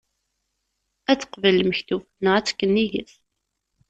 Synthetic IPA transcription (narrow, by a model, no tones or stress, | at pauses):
æt͡sːə̥qvələməçθufnəʁæt͡sːkːənːiʝə̰θ